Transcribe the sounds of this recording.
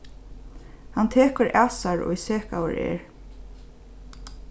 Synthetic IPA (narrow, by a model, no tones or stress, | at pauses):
hant̪ʰeːkəɹʔaːsaɹɔ̰iseːkawə̰ɹɛ̰ːɹ